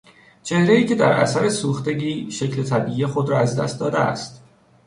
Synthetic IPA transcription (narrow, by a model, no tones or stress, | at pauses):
t͡ʃʰe̞hɾeiːcʰe̞d̪æɾʔæ̰sæɾesuːxt̪e̞ɟiːʃe̞cle̞t̪ʰæbiːʔiːjexo̞d̪ɾɒːæzd̪æ̰st̪̚d̪ɒːd̪eæ̰st̪